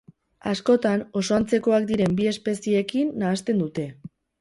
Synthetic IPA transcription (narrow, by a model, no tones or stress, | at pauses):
asko̞t̪ano̞so̞ant͡se̞ko̞akd̪iɾe̞mbie̞spe̞sie̞kinːaːst̪e̞nd̪ut̪e̞